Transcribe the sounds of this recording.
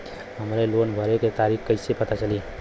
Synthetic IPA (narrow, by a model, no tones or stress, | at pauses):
ɦəmɾelonbʱəɾeket̪aɾikʰkːəɪsepət̪at͡ʃəli